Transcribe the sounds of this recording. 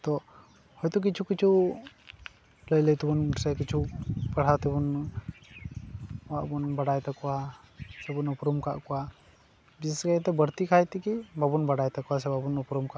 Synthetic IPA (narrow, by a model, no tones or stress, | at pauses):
t̪ɔ | hɔjt̪ɔk̬it͡ʃʰukit͡ʃʰu | ləjləjt̪ubunsɛkit͡ʃʰupaɽ̤at̪ɛbun | waʔbunbaɖajt̪akɔwasɛbunupɾumkaʔkɔwa | bisskajt̪ɛbəɾt̪ikʰajt̪ikibabunbaɽajt̪ɛkɔwas̬ɛbabunupɾumkaʔ